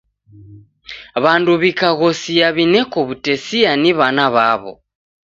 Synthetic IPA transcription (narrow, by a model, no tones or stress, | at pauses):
βanduβikaɣɔsijaβinɛkɔβutɛsianiβanaβaβɔ̰